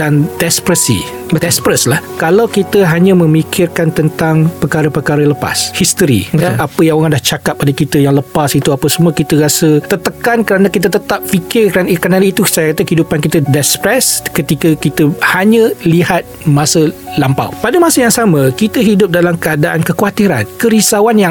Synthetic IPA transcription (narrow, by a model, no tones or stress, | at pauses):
dandɛspɾəsḭ | dɛspɾəslahkalawkit̪əɦaɲãmə̃mikʰɪrkant̪ənt̪aŋpəkaɾəpərkaɾələpa̰shist̪əɾḭapəjaŋoɣandaht͡ʃakap̚ːadəkit̪əjaŋləpasit̪uapəsəmuakit̪əɾasət̪ət̪əkankəɾanãkit̪ət̪ət̪ap̚fikɪrkankɾənaləit̪usajakat̪əkəɦidupankit̪ədɛspɾɛskət̪ikəkit̪əhaɲə̃lihat̪̚mãsəlampa̰wpadəmasəjaŋsamə̃kit̪əɦidʊp̚dalamkəadaʔankəkuwat̪iɾankəɾisawanjaŋ